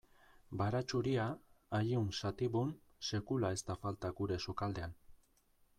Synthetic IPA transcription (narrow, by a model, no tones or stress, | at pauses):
baɾat͡ʃuɾiaːʎiunsat̪iβun | se̞kulae̞st̪afalt̪aɡuɾe̞sokald̪e̞an